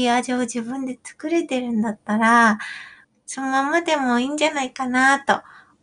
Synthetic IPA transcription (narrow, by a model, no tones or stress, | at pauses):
iaʑiod͡ʑibɯ̟̃nd̪e̞t͡sɨ̥kɯ̟ɾe̞t̪e̞ɾɯ̟̃nd̪at̪ːaɾa | sonomamad̪e̞mo̞iːɲ̟d͡ʑanaikanat̪o̞̰